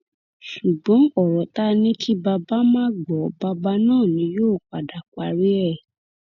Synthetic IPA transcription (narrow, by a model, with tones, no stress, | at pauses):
ʃu˨ɡ͡bɔ̃˨˦ɔ˦˨ɾɔ˨ta˦nĩ˦tʰi˦ba˧ba˦mãː˦ɡ͡bɔ˨˦ba˧ba˦nãː˦˨nĩ˨˦joː˦˨k͡pa˨da˨kʷa˧ɾi˦ɛ˦˨